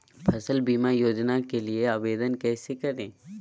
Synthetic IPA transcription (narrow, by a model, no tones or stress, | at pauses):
pʰɐsəlbiːmajoːd͡ʒnakelieabeːd̪ənkɛːsekɐɾẽː